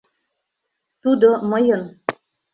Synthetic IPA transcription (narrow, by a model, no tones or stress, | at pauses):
t̪ud̪oməjɤ̆n